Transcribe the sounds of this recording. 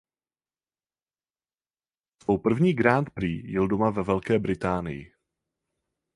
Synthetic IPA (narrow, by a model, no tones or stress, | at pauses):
svowpr̩vɲiːɡɾaːnt̪pɾiːjɪldomavɛvɛlkɛːbɾɪt̪aːnɪ̰jɪ̰